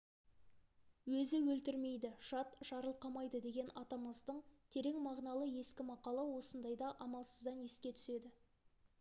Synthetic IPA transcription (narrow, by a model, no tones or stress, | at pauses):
wɵzɪwɵlt̪ɪɾme̞jd̪ɪʒ̥ɑt̪ʒ̥ɑɾəlˠqɑmɑjd̪əd̪e̞ɡʲe̞nɑt̪ɑməzd̪əɴt̪ʰe̞ɾe̞ŋmɑʁnɑlˠəje̞skʲɪmɑqɑlˠɑwo̞sənd̪ɑjd̪ɑʔɑmɑlˠsəzd̪ɑnje̞skʲe̞t̪ʰʏ̥se̞d̪ɪ